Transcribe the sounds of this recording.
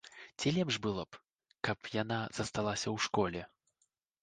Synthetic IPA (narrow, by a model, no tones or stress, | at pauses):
t͡sʲilʲɛpʂbɨlˠɔp | kɐpjanaz̥ɐst̪alˠasʲɐwʂkɔlʲɛ